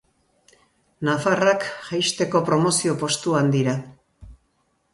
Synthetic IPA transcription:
nafarakxajst̪e̞ko̞pɾo̞mo̞sio̞po̞st̪uand̪iɾa

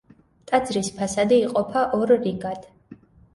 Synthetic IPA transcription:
t̪ʼad̪zɾispʰasad̪iːqʼɔpʰaʔɔɾːiɡad̪̥

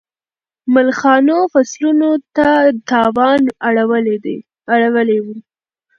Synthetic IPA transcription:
malxɑnofaslunot̪at̪ɑwɑnaɽawəled̪e | aɽawəlewu

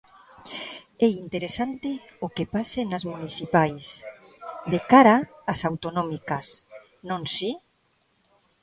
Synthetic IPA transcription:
ɛint̪eɾesant̪e | okepasenazmuniθipajs | d̪ekaɾaːsawt̪onomikas | nõnsi

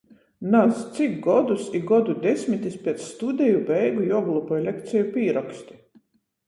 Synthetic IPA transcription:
nazt̪sikɡɔd̪usiɡɔd̪ud̪ʲɛsʲmʲit̪ʲispʲɛt̪sst̪ud̪ʲɛjubɛjɡujuɔɡlˠupɔjlʲɛkt̪sɛjupʲiːɾɔksʲt̪ʲi̥

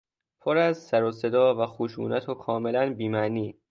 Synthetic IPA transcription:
pʰoɾæzsæɾose̞d̪ɒːvæxoʃṵːnæt̪ʰokʰɒːme̞lænbiːmæniː

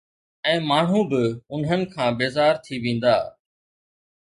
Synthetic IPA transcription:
ɛ̃ːmaːɳ̤ũbɪʊnɦənɪ̆kʰãːbeːzaːɾt̪ʰiʋẽːn̆d̪a̰ː

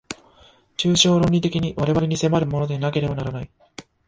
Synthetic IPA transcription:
t͡ɕɨːɕo̞ːɾõ̞ɲʲit̪e̞kʲiɲ̟iβaɾe̞βaɾe̞ɲ̟ise̞maɾɯ̟mo̞no̞d̪e̞nake̞ɾe̞banaɾanai

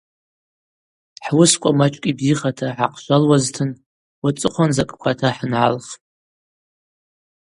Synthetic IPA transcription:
ħwʊskʷʼamat͡ʃʷʼkʲʼibziχatʰaħaqʰʼʃʷalwaztʰɨn | wat͡sʼɨχʷanzakʼkʷʰatʰaħnʕa̰lχʼ

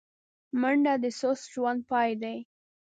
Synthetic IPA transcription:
maɳɖad̪əsosʒwand̪̚pɑjd̪aj

